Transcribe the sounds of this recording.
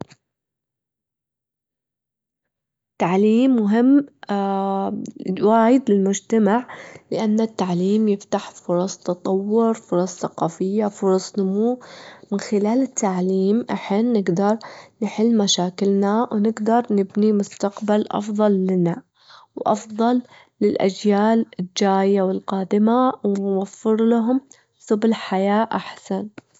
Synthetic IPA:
t̪ːaʕliːmːʊɦɪmː | waːjɪd̪lɪlmʊd͡ʒt̪amaʕlɪʔanːat̪ːaʕliːmjɪft̪aħfʊɾˤɑsˤt̪ɑt̪ˤɑwːʊɾfʊɾˤɑsˤθaqɑːfɪjːafʊɾˤɑsˤnʊmuːmɪnxɪlaːlɪt̪ːaʕliːmʔaħiːnːɪɡd̪ɑɾˤnɪħɪlːmaʃaːkɪlnawnɪɡd̪ɑɾˤnɪbnimʊst̪aqbalʔɑ̰fðˤɑlːɪna | wʔɑfðˤɑlː | ɪlʔa̰d͡ʒjaːlɪd͡ʒaːjːawɪlqɑːd̪ɪmawnwafːɪɾlaɦʊm | sˤʊbɪlħajaːʔaħsan

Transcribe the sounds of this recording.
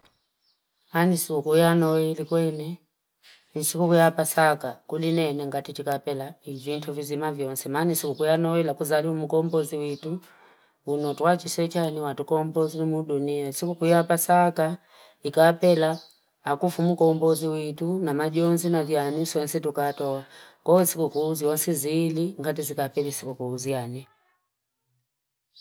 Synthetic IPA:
anisikukujanɔwɛlikwɛnɛ | nisikukujapasakakulinɛnɛŋɡatitikapɛlaivintʰuvizimavjɔnsɛmanisikukujanɔwɛlakuzaliumukɔmbɔziwitu | unɔtuat͡ʃisɛt͡ʃaniwatukɔmbɔzinimuɗuniansikukujapasaka | ikapɛlaː | kufumukɔmbɔziwitunamaʄɔnzinavjanisɔnsɛtukatɔwakɔisikukuzjɔnsɛziliŋɡat̬izikapɛlisikukuːziani

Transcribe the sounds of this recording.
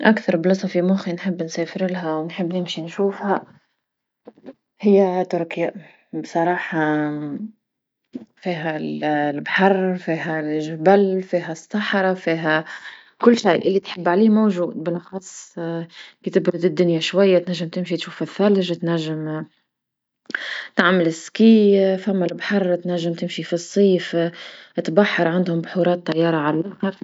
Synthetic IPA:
ʔakθɑɾˤblɑsˤɑfimʊxinħɪbːnsɛːfɪɾlɦæwnħɪbːnɪmʃinʃuːfhæ | hɪjːæt̪ʊɾkja | bsˤɑɾˤɑːħɑ | fiːɦællbħɑrˤfiːɦælʒbælfiːɦæsˤːɑħɾˤɑfiːɦæ | kʊlːʃajːʔɪlːit̪ħɪbːʕaliːmowʒuːd̪̚bɪlʔɑxɑːsˤ | kiːt̪ɪbɾʊd̪ɪd̪ːʊnjaʃwajːat̪naʒːɪmt̪ɪmʃit̪ʃuːfɪθːælʒt̪næʒːɪm | t̪aʕmɪlɪskiːfamːælbħɑrˤːt̪næʒːɪmt̪ɪmʃifisˤːiːf | t̪baħːɑɾˤʕand̪hʊmbħuɾˤɑːt̪ːɑjːɑːɾˤɑʕallʔaxɑɾ

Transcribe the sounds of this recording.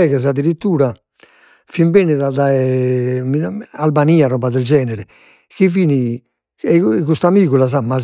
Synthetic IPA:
ɛɣɛzad̪ːiɾit̪ːuːɾa | fimbɛniðaðaɛmialbaniːaɾɔːbaðɛld͡ʒɛːnɛɾɛ | kiviːni | ɛɣust̪amiːɣulaz̬amːa

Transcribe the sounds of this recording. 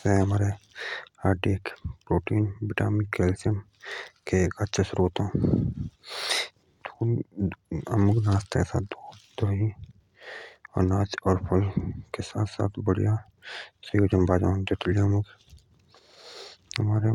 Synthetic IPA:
seɦəmaːɾe | aːɖiekpɾoːʈiːnbɪʈa̰ːmɪkelsəm | keːkət̪ːʃʰesʊɾuːət̪ɦõː | d̪u | ə̰mʊknaːst̪kesa̰ːt̪d̪oːd̪̥oːi | ɔ̰ːɾnaːt͡ʃɔːɾpʰəlkesa̰ːt̪ʰsa̰ːt̪ʰbəɽija | səjoːd͡ʒəmbaːd͡ʒã̰ːd͡ʒ̪ʊt̪liəmʊk | ɦəmaːɾe

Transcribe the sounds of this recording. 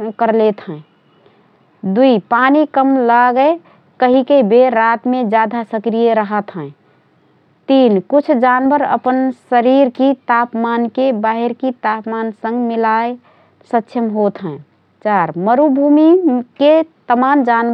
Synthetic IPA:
kəɾlet̪ɦə̃ | d̪uipanikəmlaɡəe | kəɦikebeɾat̪mẽd͡ʒjad̪ʱasəkɾijəɾəɦət̪ɦɛ̃ | t̪inkut͡ʃʰd͡ʒanbəɾə̰pənsəɾiɾkit̪apmankebaɦiɾkit̪apmansə̃ŋɡmilae | sətːʃʰəmɦot̪ɦɛ̃ | t͡ʃaɾməɾubʱumiket̪əmamd͡ʒan

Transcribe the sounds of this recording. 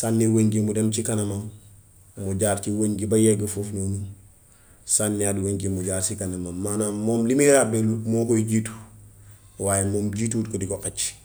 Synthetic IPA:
sanːiweɲɡimudent͡ʃikɐnɐman | muɟaːɾt͡ʃiweɲɡibajeɡafufnunu | sanːiadweŋɡimuɟaːɾsikɐnamanmanamoːmlimiɾabelumokoiɟiːtu̥ | waːjemoːmɟituːt̚kodiɡoqet͡ʃː

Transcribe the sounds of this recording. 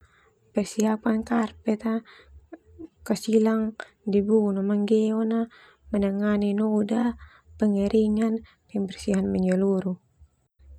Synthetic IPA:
pərsiapankarpɛt̪a | kasilaŋ | dibunomaŋɡɛona | mənaŋaninɔda | pəŋiɾʔiŋan | pɛmbɛrsiɦanməɲd͡ʒəluɾu

